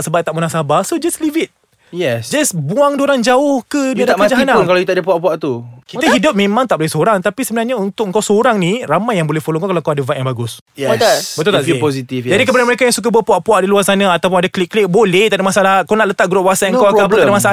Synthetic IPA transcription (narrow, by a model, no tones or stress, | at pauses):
səbat̪aʔmunaŋsabasod͡ʒaslivit̪̚ | jɛsd͡ʒasbuaŋdoɾand͡ʒaʊhkədiadaakad͡ʒaɦanakalawjit̪aʔdəpuaʔpuaʔt̪ukit̪əɦidʊp̚mẽmãŋt̪aʔbolɛhsoɾaŋt̪apisəbənarɲaunt̪ʊk̚ŋkawsoɾaŋniramajːaŋbolɛhfolõŋkakalawkawadavaʔjãŋbaɡʊs | jɛbət̪ʊlt̪aosit̪ifd͡ʒadikəpadanməɾekajãŋsuk̬abuapuaʔpuaʔdəluasanaat̪awp̬ʊnadaklikːlɪk̚bolɛht̪aʔdəmasaalakanaʔlət̪aʔɡɾoʔwasaŋkawakaaətadəmasaa